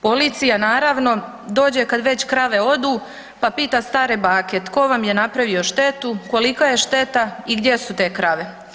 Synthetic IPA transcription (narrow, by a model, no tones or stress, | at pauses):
po̞lit̪sijanaːɾaʋno̞ | d̪o̞ːd͡ʑekad̪ʋe̞t͡ɕkɾaʋe̞o̞d̪uː | papiːt̪ast̪aːɾebaːket̪ko̞ʋamje̞napɾaʋio̞ʃt̪e̞t̪uko̞likaje̞ʃt̪e̞t̪aiɡd̪je̞sut̪e̞ːkɾaʋe̞